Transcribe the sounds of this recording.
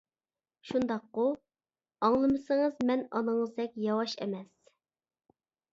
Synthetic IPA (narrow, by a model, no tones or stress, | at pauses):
ʃund̪ɑqːʊ | ɑŋlˠɨmɨsɨŋɨzmɛnɑ̰nɨŋəzd̪ɛkʲjɑwɑʃɛ̰mɛs